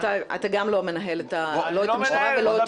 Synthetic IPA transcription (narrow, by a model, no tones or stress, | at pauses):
taa̰t̪aɡamlo̞me̞naɦe̞let̪aloet̪amʃaʁaveloet